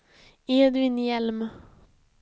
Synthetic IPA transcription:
eːd̪ɪnjɛlm

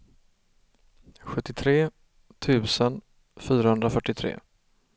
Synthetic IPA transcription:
ɧɵt̪ːɪt̪ʰɾeː | t̪ʰʉ̟ːsən | fyːɾahɵnd̪ɾafœʈːɪt̪ʰɾḛː

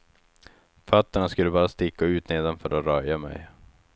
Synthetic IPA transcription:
fœt̪ːəɳaskɵlːəbɑːɾast̪ɪkːaʉ̟ːt̪neːd̪anfœɾɔɾœjamɛ̰j

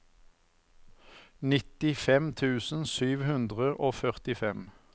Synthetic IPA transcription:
nɪt̪ɪfɛmt̪ʰʉːsn̩syːʋhʉnd̪ʁəʔoːfœʁt̪ɪfɛm

